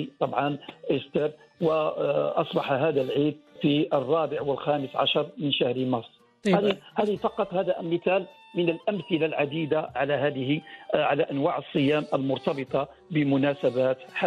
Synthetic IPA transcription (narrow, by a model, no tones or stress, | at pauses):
t̪ˤɑbʕɑnʔɪst̪əɾ | wəʔɑsˤbɑħaɦæːd̪ælʕiːd̪̚fiərˤːɑːbəʕwəlxæːməsʕa̰ʃɑɾˤmənʃahɾmɑsˤː | hæihæd̪fɑqɑt̪ˤhæːd̪æʔlmːɪθæːl | mənəlʔæmθɪlalʕad̪iːd̪aʕalæɦæːd̪əhiʕalæʔænwaʕəsˤːɨjæːmʔəlmʊɾt̪ɑbɨt̪ˤɑ | bəmʊnæsæbæt̪ħa